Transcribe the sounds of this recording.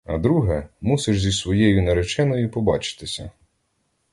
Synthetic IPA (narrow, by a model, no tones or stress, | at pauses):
ɐ̰d̪ɾuɦɛmusɪʃzʲisʋɔjɛjʊneɾet͡ʃɛnɔjʊpɔbɑt͡ʃɪ̥t̪ɪsʲɐ̰